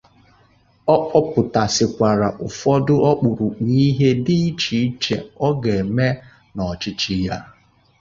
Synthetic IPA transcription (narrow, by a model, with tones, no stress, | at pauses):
ɔ˦ʔɔ˦pʊ˨ta˨sɪ˨kʷa˨ɾa˨ʔʊ˨fɔ˦dʊ˦ʔɔ˦k͡pʊ˨ɾu˨k͡pi˦ɦe˦di˦i˦t͡ʃi˨˦t͡ʃe˨ɔ˦ɡe˨me˦ | nɔ˨t͡ʃɪ˦t͡ʃi˦ja˦